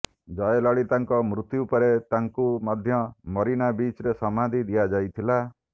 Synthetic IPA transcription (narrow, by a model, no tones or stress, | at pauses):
d͡ʒɔjelɔɭit̪aŋkɔmɾut̪jupɔɾet̪aŋkumɔd̪ʱjɔmɔɾiñabit͡ʃɾesɔmad̪ʱid̪ijad͡ʒajt̪ʰila